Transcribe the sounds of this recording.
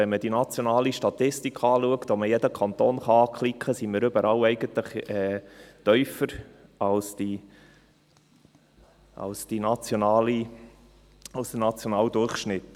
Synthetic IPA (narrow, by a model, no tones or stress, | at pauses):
ɛnməd̥inɑt͡sjonɑːliʃtɑt̪ɪstikʰɑːluəkt̪ɔməjɛd̪əkʰɑnt̪oːnχɑɑːkχlikχəsiməɾʏbəɾɑlɛɪɡ̥ənt̪ləχɛːt̪œʏfəɾɑlsd̪i | ʔɑ̰lsd̥inɑt͡sjonɑːli | ɑlsənɑt͡sjonɑːld̪ʊrχʃnɪt̪